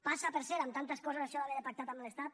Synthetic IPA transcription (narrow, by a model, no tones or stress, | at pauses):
pasapeɾseɾamt̪ant̪əskɔzezaʃɔaβeðepak̚t̪at̪amlest̪at̪